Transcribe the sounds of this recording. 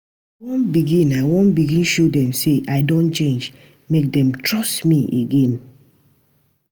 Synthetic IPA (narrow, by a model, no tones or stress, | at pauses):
wɔ̃nbiɡĩnaɪwɔ̃nbiɡĩnʃodɛ̃nseʔaɪdõnt͡ʃẽnd͡ʒ | mek̚dɛ̃mtʰɹɔstmiʔeɡɛ̃n